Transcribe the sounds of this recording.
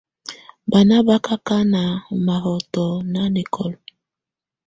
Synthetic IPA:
ba˨na˦ba˦ka˦ka˦na˨ma˨ɦɔ˨tɔ˨na˦ni˨kʰɔ˨l

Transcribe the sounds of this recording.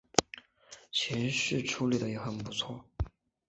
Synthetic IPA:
t͡ɕʰɛ˧˥nʂɻ̩˥˩ʈ͡ʂʰu˥li˨˩d̪ə˩jɛ˧˥xə˨˩npu˧˥t͡sʰwɔ˥˩

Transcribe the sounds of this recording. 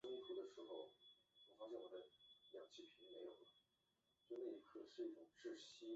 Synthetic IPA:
ʊ˥ŋt̪ʰu˧˥d̪ə˨ʂɻ̩˧˥xo˧ʊwɔ˨˩fɑ˥ŋɕjɛ˥˩wɔ˨˩d̪ə˦˥ljɑ̰˨˩ŋt͡ɕʰi˥˩pʰi˨˧˥n˥me˧˥ɪjo˨˩ʊlə˦ | sna˥˩i˧˥kʰɤ˥˩ʂɻ̩˥˧i˥˩ʈ͡ʂʊ˨˩ŋʈ͡ʂɻ̩˥˩ɕi˥

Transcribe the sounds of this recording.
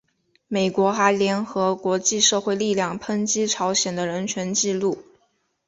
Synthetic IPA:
me˨˩ɪkwɔ˧˥xa˧˥ɪljɛ˧˥nxɤ˧˥kwɔ˧˥t͡ɕi˥˧ʂɤ˥˧xwe˥˧ɪli˥˧ljɑ˥˩ŋpʰə˥ŋt͡ɕi˥ʈ͡ʂʰɑ˧˥ʊɕjɛ˨˩nd̪ə˦ɻə˧˥nt͡ɕʰɥɛ˧˥nt͡ɕi˥˧lu˥˩

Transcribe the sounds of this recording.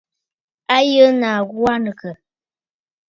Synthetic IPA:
a˦jə˦na˨ɣwa˦nə˨kə˨

